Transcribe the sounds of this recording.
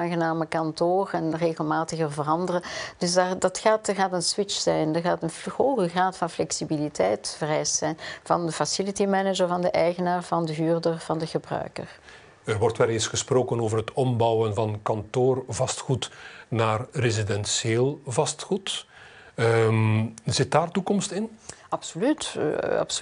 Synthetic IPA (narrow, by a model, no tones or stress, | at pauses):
aːnɣənaːməkɑntoːrɛnreːɣəlˠmaːtəɣərvərɑndərəd̥ɵsdadɑtxaːtəɣaːtənswɪt͡ʃsɛjndərɣaːtənoːɣəɣraːtfɑnflɛksibilitɛjtfərɛjstsɛjnvɑ̰ndəfasɪlitimɛnəd͡ʒəɹvɑndəʔɛjɣənaːrvɑndəɦyːrdərv̥ɑndəɣəbrœ̰ɥkə̰r | ərʋɔrtʋɛlesxəsproːkənoːvərɦətɔmbɔwənvɑnkɑntoːrvɑstxutnaːrrezidɛnsjeːlˠvɑstxut | zɪt̚daːrtukɔmstɪnɑpsolytːɑ̰ps